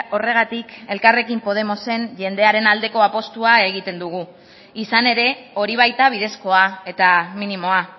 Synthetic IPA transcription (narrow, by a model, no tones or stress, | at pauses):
o̞re̞ɣ̞at̪ike̞lkare̞kimpo̞ð̞e̞mo̞se̞nʝe̞nd̪e̞aɾe̞nald̪e̞ko̞apo̞st̪uae̞ɣ̞it̪e̞nd̪uɣ̞u | isane̞ɾe̞o̞ɾiβ̞ajt̪aβ̞ið̞e̞sko̞ae̞t̪aminimo̞a